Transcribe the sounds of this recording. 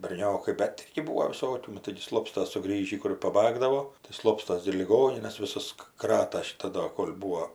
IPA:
bʲɛrʲˈnʲoːkɐɪ bʲɛt ˈɪrʲɡʲɪ ˈbuːoː ʋʲɪˈsoːkʲuː ˈnʊ tɐɪɡʲɪ ˈslˠoːpstɐs sʊˈɡrʲiːʒʲiː kʊˈrʲeː pɐˈbɑːɡdɐʋoː tɐɪ ˈslˠoːpstɐs ɡʲɪ ɪr lʲɪˈɡoːnʲɪnɐs ʋʲɪˈsɐs ˈkrɑːtɐ ʃʲɪˈtɐ ˈdoː ˈkoːlʲ ˈbuːoː

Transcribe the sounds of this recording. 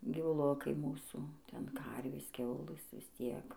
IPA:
ɡʲiːʋʊˈlˠʊkɐɪ ˈmuːsuː ˈtʲɛn ˈkɐrʲʋʲeːs ˈkʲɛʊlˠɘs ʋʲɪs ˈtʲiɛk

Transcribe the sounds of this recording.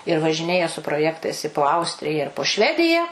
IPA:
ɪr ʋɐʒʲɪˈnʲeːjɛ sʊ proːˈjæːktɐɪs ɪ poː ˈɐʊsʲtʲrʲɪjɛ ɪr poː ˈʃʲʋʲæːdʲɪjɛ

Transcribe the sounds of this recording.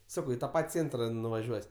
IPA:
ˈsɑːkɐʊ ɪ tɐ ˈpɐtʲ ˈt͡sʲeːntrɐ nʊʋɐˈʒʲuɔsʲ

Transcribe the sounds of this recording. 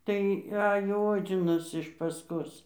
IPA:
tɐɪ ˈɑːjoː ˈoːd͡zʲɪnɐs ɪʃ pɐsˈkoːs

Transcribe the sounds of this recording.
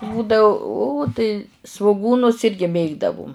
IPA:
ˈbuːdɐʊ uː tɐɪ sʋʊˈɡuːnʊs ˈɪrʲɡʲɪ ˈmʲeːɡdɐʋʊm

